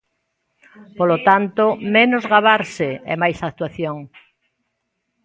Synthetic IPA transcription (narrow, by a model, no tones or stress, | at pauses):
polot̪ant̪omẽnozɣaβaɾsɪḛmajsak̚t̪waθjoŋ